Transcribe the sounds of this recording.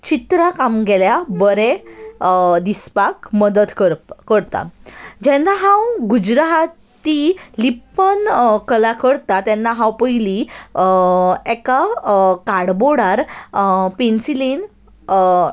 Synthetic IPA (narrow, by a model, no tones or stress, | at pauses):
t͡ɕit̪ɾakamɡɛljabəɾe | d̪ispakməd̪əd̪kəkəɾt̪a̰d͡ʑɛnːaɦãwɡud͡ʑɾaɦt̪ilipːənkəlakəɾt̪at̪ɛnːaɦãwpəjli | ɛkakaɽboɽaɾ | pensilin